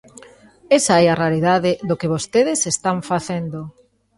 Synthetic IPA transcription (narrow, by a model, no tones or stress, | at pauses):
esaɛaraɾiðaðɪðokɪβost̪eðɪsest̪aɱfaθend̪o